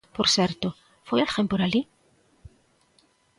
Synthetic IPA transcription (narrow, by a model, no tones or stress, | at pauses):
poɾseɾt̪o | fojalxempoɾali